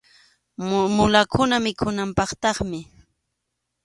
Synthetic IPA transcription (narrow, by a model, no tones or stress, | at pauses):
mʊlakʰʊnamɪkʰʊnampɑχt̪ɑχmɪ